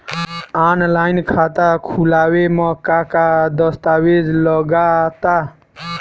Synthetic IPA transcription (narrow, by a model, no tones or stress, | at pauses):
anlainkʰat̪akʰulawemɔkakad̪ʌst̪awed͡ʒləɡat̪a